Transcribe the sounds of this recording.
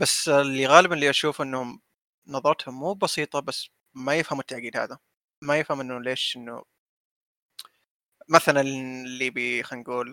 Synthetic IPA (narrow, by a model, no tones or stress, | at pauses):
basːlːiɣaːlɪbanɪlːiʔaʃuːfʔɪnːhʊm | nɑðˤɑɾˤɑt̪hʊmːuːbɑsiːt̪ˤɑbasː | majɪfhamʊt̪ːaʕɡiːd̪ha̰ːða | majɪfhamʔɪnːʊleːʃʔɪnːʊ̰ | maθalanlːiːbixanɡuːl